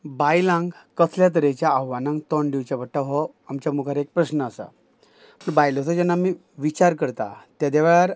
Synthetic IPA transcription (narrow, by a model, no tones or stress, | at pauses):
bajlãŋɡkət͡sʰljat̪̬əɾet͡ɕjaːɦʋanãŋɡt̪ɔɳɖiʋt͡ɕabəʈːaɦɔ | amt͡ɕamukʰaɾek̚pɾəɕnəəsa̰ | məɳbajlɔsad͡ʑanːami | ʋit͡ɕaɾkəɾt̪a̰t̪jad̪eʋɭaɾ